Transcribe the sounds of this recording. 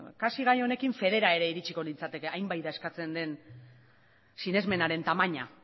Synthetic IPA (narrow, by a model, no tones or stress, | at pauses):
kasiɣajo̞ne̞kiɱfe̞ðe̞ɾae̞ɾe̞iɾit͡ʃiko̞nint͡sat̪e̞ke̞ajmbajðae̞skat͡se̞nd̪e̞n | sine̞zme̞naɾe̞nt̪amaɲa